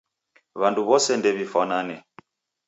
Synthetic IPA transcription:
βanduβɔsɛndɛβifananɛ

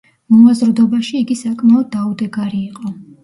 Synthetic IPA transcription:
mɔazɾd̪ɔbaʃiːɡisakʼmaɔd̪̚ːaud̪ɛɡaɾiːqʼɔ

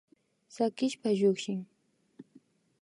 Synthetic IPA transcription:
sakɪʃpaʎokʃɪŋ

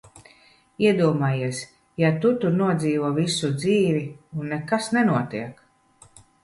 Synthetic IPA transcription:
iɛd̪uɔmaːjiɛs | jat̪ut̪uɾnuɔd̪ziːvuɔvisud̪ziːviunːɛkasnɛnuɔt̪iɛk

